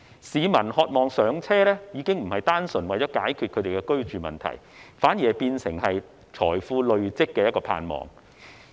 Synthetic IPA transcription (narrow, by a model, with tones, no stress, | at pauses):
siː˨˧mɐ˨˩nhɔː˧t̚mɔː˨ŋsœː˨˥ŋt͡sʰɛː˥lɛː˥jiː˨˧kɪ˥ŋm̩˨˩hɐ˨jt̪aː˥nsɵ˨˩nwɐ˨jt͡sɔː˨˥kaː˨˥jkʰy˧kʰɵ˧t̪e˨jkɛ˧kɵ˥ɥt͡ʃyː˨˩mɐ̰˨nt̪ʰɐ̰˨˩j | faː˨˥nji˨˩hɐ˨jpiː˧nsɪ˨˩ŋɦɐ˨j | t͡sʰɔː˨˩jfuː˧lɵ˨ɥt͡sɪ˥kːɛː˧jɐ˥t̚kɔː˧pʰa̰ː˧nmɔ̰ː˨˩ŋ